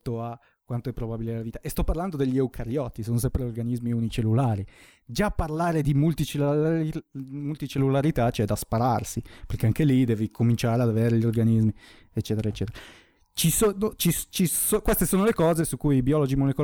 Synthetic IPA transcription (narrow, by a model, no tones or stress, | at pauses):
t̪oa | kwant̪oɛpːɾobabiled̪elːaviːt̪aʔest̪ɔpːaɾrland̪od̪eʎːeukʰaɾjɔt̪ːisoːnos̬ɛmpɾeorɡanizmiunit͡ʃelːulaːɾi | d͡ʒapːarlaːɾed̪imult̪it͡ʃe | mult̪it͡ʃelːulaɾit̪at͡ʃoɛd̪aspaɾarsiperkeaŋkelid̪ɛːvikʰomint͡ʃaːɾead̪aveːɾeʎiorɡanizmi | et͡ʃːɛːt̪eɾaet͡ʃːɛːt̪eɾa | t͡ʃisonot͡ʃist͡ʃisokwest̪esoːnolekɔːzesukːujbiɔlod͡ʒimoleko